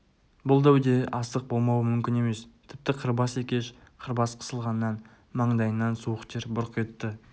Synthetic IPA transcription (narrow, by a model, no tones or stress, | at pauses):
bʊlˠd̪æwd̪e̞ʔɑst̪əq̚bo̞lˠmɑwəmʏmkʲɪne̞me̞st̪ʰɪp̚t̪ɪqʰəɾbɑse̞kʲe̞ʃqʰəɾbɑsqʰə̥səlˠʁɑnːɑn | mɑɴd̪ɑjənːɑnsuwəqt̪ʰeɾbʊɾqʰet̪ːɪ